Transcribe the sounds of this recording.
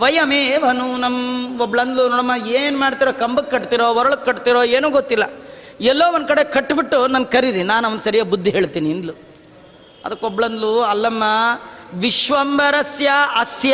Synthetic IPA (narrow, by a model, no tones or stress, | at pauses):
ʋɐjɐmeʋɐnunɐmːɔbɭɐnd̪lunoːɽɐmːɐeːnumaːɽt̪iɾoːkɐmbɐkːɐʈt̪iɾoːʋɔɾɐɭukːɐʈt̪iɾoːeːnuːɡot̪ːilːɐ | ɛlːoːond̪kɐɽekɐʈːbiʈːunɐnɡkɐɾiɾinaːnɐʋɐnd̪sɐɾijaːbud̪ːiɦeːɭt̪iːniːnd̪lu | ɐ̰d̪ɐkːobɭɐnd̪luɐlːɐmːɐʋiʃʋɐmbɐɾɐsjɐɐsjɐ